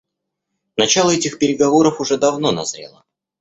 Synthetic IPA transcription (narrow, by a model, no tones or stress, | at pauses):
nɐt͡ɕalˠəɛtʲɪxpʲɪɾʲɪɡɐvo̞ɾəfʊʐɛd̪ɐvno̞nɐ̰z̥ɾʲḛlˠə